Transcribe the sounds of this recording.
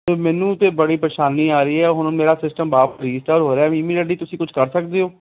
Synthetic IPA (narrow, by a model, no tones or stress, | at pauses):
mɛːnũːt̪eːbəɽiːpɾeːʃaːniːaːɾəiːɛːɦʊñmeːɾaːsɪsʈəmbaːpɾiːsʈəːɾɦoːɾeãːɪmiːɖeːɖiːt̪ʊsĩːkʊd͡ʒʰkəɾsəkd̪eːɦoː